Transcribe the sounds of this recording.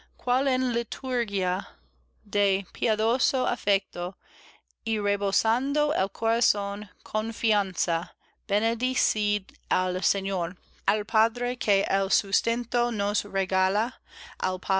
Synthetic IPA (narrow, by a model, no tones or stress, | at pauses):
kʰwalenlit̪ʰuɾɡia | d̪epʰiaðosoa̰fɛk̚t̪o | ireβosand̪oelkʰoɾasonkʰonfiansa | b̥ened̪isid | alseɲoɾ | alpʰadɾekʰeʔelsust̪ẽnt̪onosreɡalaa̰lpʰa